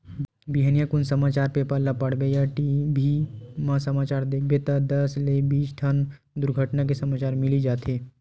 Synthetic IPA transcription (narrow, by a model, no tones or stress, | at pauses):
biɦənijakʊnsəmaːt͡ʃaːɾpepəɾlapɐɽ̤bejaʈibʱimãsɐmaːt͡ʃaːɾd̪eːkʰbet̪ad̪ɐslebiːt͡ʃʈʰɐn | d̪ʊɾɡʱəʈnak̬isɐmaːt͡ʃaːɾmɪlid͡ʒaːt̪eː